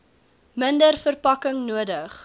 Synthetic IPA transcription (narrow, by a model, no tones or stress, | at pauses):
məndərfərpɐkəŋnuədəχ